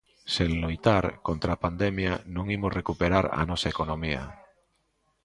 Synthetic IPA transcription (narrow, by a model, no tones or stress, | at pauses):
seŋlojt̪aɾkont̪ɾapand̪emjanõŋimozrekupeɾaɾa̰nɔsaekonõmia̰